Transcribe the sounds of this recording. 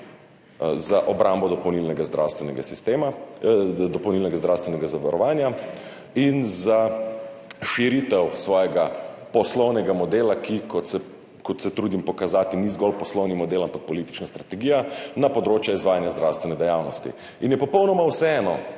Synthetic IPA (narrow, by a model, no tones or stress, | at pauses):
zaʔɔbɾambɔd̪ɔpɐwnilnɛɡazd̪ɾa̰wst̪ʋɛnɛɡasist̪eːma | d̪ɔpɐwnilnɛɡazd̪ɾawst̪ʋɛnɛɡazaʋaɾɔʋaːnja | inza | ʃiɾit̪ɛwsʋɔːjɛɡapɔslɔwnɛɡamɔd̪eːlakikɔsɛ | kɔt̪sɛt̪ɾuːd̪impɔkazaːt̪inizɡɔlpɔslɔwnimɔd̪elampak̚pɔlit̪i̥t͡ʃnast̪ɾat̪ɛɡiːjanapɔd̪ɾoːt͡ʃjɛizʋaːjanjazd̪ɾawst̪ʋɛnɛd̪ɛjawnɔst̪ḭ | injɛpɔpɔwnɔmawsɛɛːnɔ